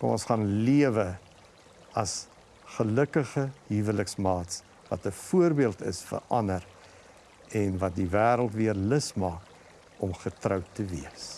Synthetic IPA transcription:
kɔ̰mɔnsχɑnliəvə | ɐs | χələkəχəɦivələksmɑːts | vɐ̰təfuərbiəlˠtə̰sfə̰ɐnəɾ | ɛnvɐt̚divæːɾəlˠtviərləsmɑːk | ɔmχətrœwtəviəs

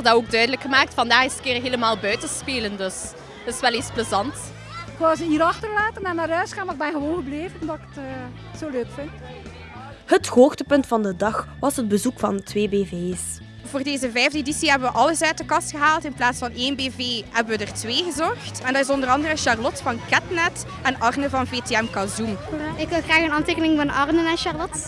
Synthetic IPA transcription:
dɑoːɡ̚dœɥdələkxəmaːk̚tfɑndaːχɪstkɪːrɦeːləmaːlˠbœɥtəspeːləndɵs | ɪ̥sʋɛlespləzɑnt | azəiːɾɑxtərlaːtənɛnaːɾœːsxaːnmaɪɡbɛnɣəʋoːnɣəbleːvənmdɑkə̥tː | soːløːkfɪnt | həthoːxdəpɵntfɑndədɑxʋɑsɦəd̚bəzukfɑntʰʋeːbeːveːs | voːrdeːzəvɛjvdəedisiɦɛbənʋəʔɑləsœɥt̚dəkɑstxəɦaːlˠtɪnplaːtsfɑneːnbeːveːɦɛbənʋədərtʋeːɣəzɔxtɛndɑtɪsɔndərɑndərəʃɑrlɔtfɑnkɛtnɛt | ɛnɑrnəvɑnveːteːɛmkɑzumɪkʋɪlˠɣraːɣəənɑntekənɪŋvɑnʔɑrnənaʃɑrlɔt

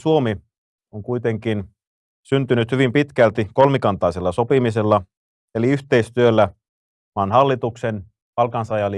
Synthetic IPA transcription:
suomi | oŋkujt̪eŋkin | synt̪ynyt̪hyʋimpit̪kælt̪iko̞lmikɑnt̪ɑiselːɑso̞pimise̞lːɑ | eliyht̪eist̪yølːæ | mɑːnhɑlːit̪uksen | pɑlkɑnsɑjɑli

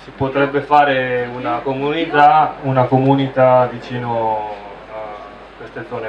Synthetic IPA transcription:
sipot̪ɾɛbːefaːɾeunakomunit̪aunakomunit̪ad̪it͡ʃiːno | kwest̪ed̪zɔːne

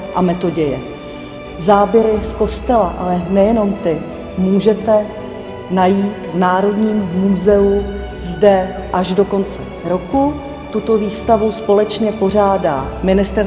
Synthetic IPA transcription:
ʔamɛt̪o̞ɟɛjɛ | zaːbjɛɾɪsko̞st̪ɛlaʔalɛnɛjɛno̞mt̪ɪ | muːʒɛt̪ɛ | najiːt̪naːɾo̞dɲiːmːuzɛu | zdɛ | ʔaʒdo̞ko̞nt͡sɛ | ɾo̞ku | t̪ut̪o̞viːst̪avuspo̞lɛt͡ʃɲɛpo̞r̝aːda̰ːmɪnɪst̪ɛɾ

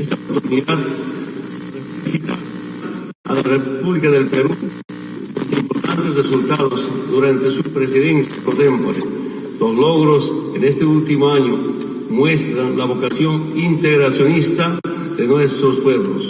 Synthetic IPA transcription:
est̪apot̪uɾniðat̪ | reflisit̪a̰ | a̰larepuβlikaðelpeɾu | ek̪eimpoɾt̪a̰nt̪esresult̪aðozd̪uɾant̪esupɾeseðensjapoɾt̪empoɾe | lozloɣɾosenest̪eult̪imoaɲo | mwe̞st̪ɾanlaβokasjoŋint̪eɣɾasjonist̪a | ðenwest̪ɾospweβlo̰s

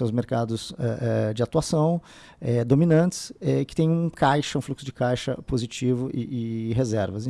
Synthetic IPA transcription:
ẽwʊzmeɾkad̪ʊsɛ̰ʔɛd͡ʒɪat̪uasɐ̃w̃ | ɛd̪ominɐ̃nt͡ʃ̪ɪ̥sɛɪkɪ̥t̪ẽj̃ũkʰajʃɐũfluksʊd͡ʒɪkajʃɐ̰pozit͡ʃivʊʔɪʔɪɦezɛɾvɐsẽ

